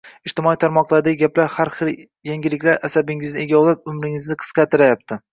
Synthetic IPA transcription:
ɪʃt̪ɪmɒit̪ʰaɾmɒqlˠaɾd̪aɡʲɪɡʲaplaɾhaɾχɨɾ | jaŋɡʲɪlɪkʲlaɾasabɪŋɪznɪe̞ɡʲaɒlˠɪp̚ʊmɾɪŋɪznɪqʰɨ̥sqɑt̪ʰɪɾajap̚t̪ʰɪ

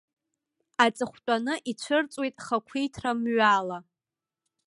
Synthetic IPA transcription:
at͡sʼɨχʷt͡pʷʼanɨʔit͡ɕʷʰɨrt͡sʼwejtʼχakʷʰijtʰramɥala

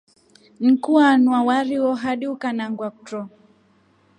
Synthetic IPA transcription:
ŋ̩kuanwawaɾiwɔɦaɗiukanaŋɡwakutɾɔ

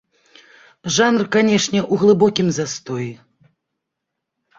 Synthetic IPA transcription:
ʐanrkanʲɛʂnʲɛʔuɣlˠɨbɔkʲimzast̪ɔji

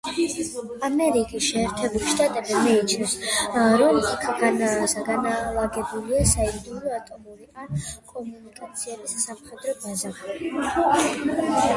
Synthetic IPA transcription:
amɛɾikʼisʃɛːɾt̪ʰɛbuliʃt̪ʼat̪ʼɛbzɛmiit͡ʃʰnɛsɾɔlikʰɡanasaɡanalˠaɡɛbuliasaɛd̪uɾɔat̪ʼɔmuɾiankʼɔmunikʼat̪sʰiɛbisːamχɛd̪ɾɔbaza

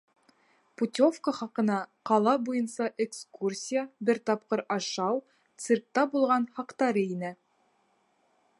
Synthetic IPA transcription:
put̪ʲofkəχɑqɤ̆nɑqɑlˠɑbujɤnsɑʔekskursʲijəbɘɾt̪ɑp̚qɤɾɑʃɑw | t̪sɨrk̚t̪ɑbulˠʁɑnhɑqt̪ɑɾɤinæ

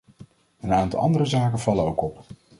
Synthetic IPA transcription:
ənaːntɑ̰lˠʔɑ̰ndərəzaːkənvɑlənowkɔp

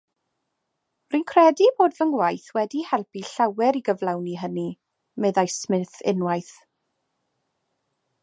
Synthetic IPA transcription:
runkʰrɛdiboːdvənwajθwɛdihɛlˠpiɬawɛɾiɡəvlˠawniɦəni | mɨðajsmɪnθɪ̰nwajθ

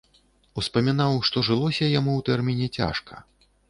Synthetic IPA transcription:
uspɐmʲinawʂt̪ɔʐɨlˠɔsʲɐjamuwt̪ɛrmʲinʲɛt͡sʲa̰ʂkɐ̰

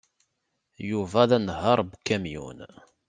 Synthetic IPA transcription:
juvæðænəɦɑɾˤbkːæmjṵn

